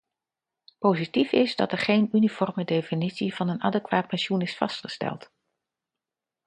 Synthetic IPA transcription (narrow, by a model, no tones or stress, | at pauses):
powzitifɪzdɑ̰tɛɹχejnynifɔrmədejfinitsiv̥ɑnəna̰ːdəkʋaːt̚pɛnʃunɪsfɑ̰stχə̥stɛ̰lˠt